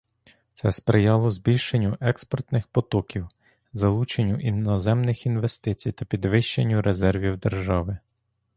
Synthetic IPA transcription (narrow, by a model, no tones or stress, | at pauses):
t̪sɛspɾɪjɑlˠɔzbʲilʲʃenʲːʊʔɛkspɔrt̪nɪxpɔt̪ɔkʲiw | zɐlˠut͡ʃenʲːʊʔinɔzɛmnɪxinʋe̞st̪ɪt͡sʲijt̪ɐpʲid̪ʋɪʃt͡ʃenʲːʊɾezɛrʋʲiwd̪erʒɑʋɪ